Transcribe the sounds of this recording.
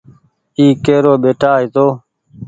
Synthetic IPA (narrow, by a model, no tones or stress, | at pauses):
iːkeːɾoːɓeːʈʰaːɦiːt̪oː